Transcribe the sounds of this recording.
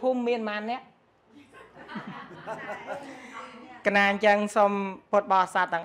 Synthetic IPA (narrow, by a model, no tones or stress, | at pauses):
pʰuːmːiənmaːnːɛ̆əʔ | kənaːɲt͡ɕəŋsompoət̪̚ɓɑːsat̪ːɛ̆əŋʔ